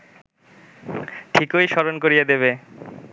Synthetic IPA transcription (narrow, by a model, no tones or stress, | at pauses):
ʈʰikojʃɔɾonkoɾijed̪eβe